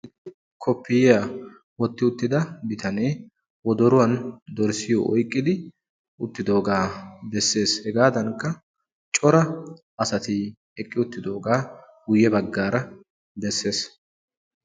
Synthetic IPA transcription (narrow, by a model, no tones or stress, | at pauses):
ʔɪt̪ːɪ | kʰɔpːɪjɪja | wɔt̪ːɪʊt̪ːɪd̪ɐbɪt̪ɐneː | wɔd̪ɔɾʊwɐnd̪ɔɾsɪjɔ̰ʔɔ̰jkʼːɪd̪ɪ | ʊt̪ːɪd̪o̞ːɡaːd̪ɛsːe̞ːshɛɡaːd̪ɐŋkːɐ | t͡ʃʼɔɾɐ | ʔɐsɐt̪ɪ | ɛkʼːɪʊt̪ːɪd̪o̞ːɡaːɡʊjːɛbɐɡːaːɾɐ | d̪ɛsːe̞ːs